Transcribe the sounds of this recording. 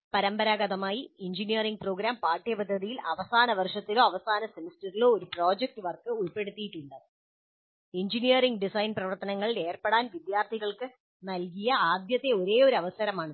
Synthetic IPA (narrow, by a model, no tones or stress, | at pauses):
pɐɾɐmbɐɾaːɡɐðɐmaːjiiɲd͡ʑinijɐriŋɡ̚pro̞ːɡɾaːmpaːʈːijɐpɐd̪ʱːɐðijilɐʋɐsaːnɐʋɐrʂɐt̪ːilo̞ːɐʋɐsaːnɐsemistɐɾilo̞ːoɾupro̞ːd͡ʑek̚ʈɨʋɐrkɨuɭpe̞ɽut̪ːijiʈːuɳɖɐ | iɲd͡ʑinijɐriŋɡɖisɐjnprɐʋɐrt̪ɐnɐŋːɐɭile̞ːrpeɽaːnʋid̪jaːrt̪ʰiɣɐɭkɨ | nɐlkijɐaːd̪jɐt̪ːe̞o̞ɾe̞ːo̞ɾɐʋɐsɐɾɐmaːɳ